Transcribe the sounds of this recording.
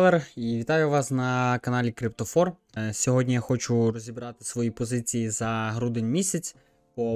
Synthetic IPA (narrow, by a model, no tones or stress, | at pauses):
lˠeriʋʲit̪ɑjʊʋɑsnɐkɐnɑlʲikɾʲipt̪ɔfɔr | sʲɔɦɔdʲnʲijaxɔt͡ʃʊrɔzʲibɾɑt̪ɪ̥sʋɔjipɔzɪt͡sʲijizɐɦɾud̪enʲmʲisʲɐt͡sʲ | pɔ